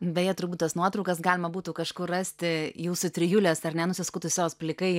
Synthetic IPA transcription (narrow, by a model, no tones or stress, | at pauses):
bʲɛjɛt̪ʊɾbuːt̪t̪ɐsnuɔt̪ɾɔʊkɐsɡɑːlʲɪmɐbuːt̪uːkɐʃkʊrrɑsʲt̪ʲɪjuːsʊt̪ʲɾʲɪjulʲɛsɐrnʲɛnʊsʲɪskʊt̪ʊsʲjoːsplʲɪkɐɪ